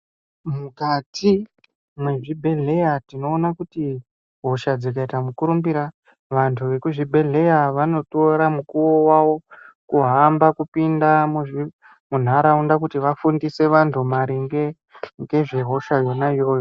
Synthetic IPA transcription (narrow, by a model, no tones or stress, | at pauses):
mukatʰi | mweʐibʱe̞ɮe̞jatino̞ːnakuti | ɦo̞ʃad͡zikaitamukuɾumbiɾa | ʋantʰuʋe̞kuʐibʱe̞ɮe̞jaʋano̞toɾamukuwo̞waʋo̞ | kuɦambakupindamuʐi | mun̤aɾaundakutiʋafundise̞ʋantʰumaɾiŋɡe | ŋɡe̞ʐeɦo̞ʃajo̞najo̞ːjo